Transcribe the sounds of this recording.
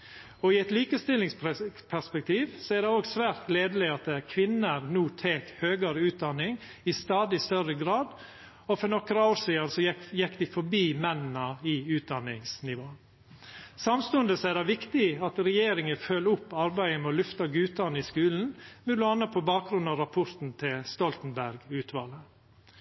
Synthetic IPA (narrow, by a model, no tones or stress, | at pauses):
ɔɪɛt̪liːkəst̪ɪlːɪŋsppʰæspɛk̚t̪ʰiːʋsɔæɾɖ̪ɛoːɡsʋæːɾt̪leːd̪əlɪɑt̪̚d̪ɛæɾkʰʋɪnːəɾnuːt̪ʰeːt̪høːɡɑɾəʉːt̪̚d̪ɑnːɪŋ | ɪst̪ɑːd̪ɪst̪œrəɡɾɑːd̪ | ɔfɔɾnɔkɾəoːɾsiːɑnsɔjɛkːd̪ɪfɔɾbiːmɛnnɑɪʉːt̪̚d̪ɑnːɪŋsnɪʋoː | sɑmst̪ʉənd̪əsɔædɑʋɪkt̪ɪɑt̪ɾɛjeːɾɪŋəføːlʊpːɑɾbæɪəmɛɔlʉft̪ɑɡʉːt̪ɑnəɪskʉːln̩mɛd̪ʊɑnəpʰɔbɑːk̚ɡɾʉnɑɾɑpʰʊɾt̪n̩t̪ʰɪlst̪ɔlt̪n̩bæɾɡʉːt̪ʰʋɑːlə